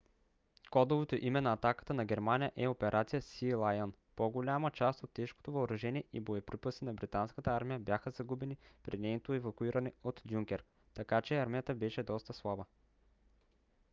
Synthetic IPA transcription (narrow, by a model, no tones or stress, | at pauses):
kɔd̪ovot̪oʔimɛnɐːt̪akə̥t̪ənɐɡʲɛɾmanʲijəʔɛopɛɾʔat̪sijəsilˠajən | poɡolʲamət͡ʃast̪ot̪ːɛʃko̥t̪ovɐːɾɐʒɛniɛʔibojɛpɾipəsinɐbɾit̪anskət̪əaɾmijəbjaxəzɐɡubɛnipɾinɛjnot̪oɛvɐkuiɾɐnɛot̪ːjuŋkʲɛɾ | t̪ɐkat͡ʃɛaɾmijət̪əbɛʃɛd̪ɔst̪əslˠabə